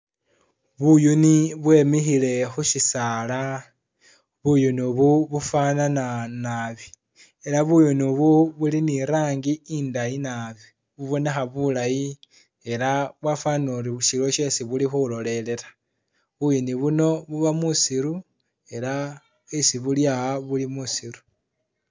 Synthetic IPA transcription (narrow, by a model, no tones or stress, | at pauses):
βujuniβwe̞mixile̞xuʃisaːla | βujunuβuβufanananaβi | e̞laβujunuβuβuliniɾaːŋɡiindajinaβi | βuβo̞ne̞xaβulaji | e̞laβwafanoɾiuʃilo̞ʃe̞siβulixulo̞le̞le̞ɾḁ | βujoniβuno̞βuβamusiɾu | e̞la | esiβuljaaβulimusiɾu̥